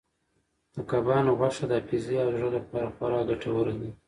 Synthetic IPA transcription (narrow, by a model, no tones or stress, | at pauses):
d̪̥əkabɑnoɣaʂad̪əafiziɑʒələpɑɾaxwaɾɑɡaʈʰawəɾani